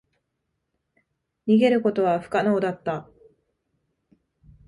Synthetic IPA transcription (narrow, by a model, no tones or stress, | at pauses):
ɲ̟iɡe̞ɾɯ̟ko̞t̪o̞βaɸɯ̟̥kanoːd̪at̪ːa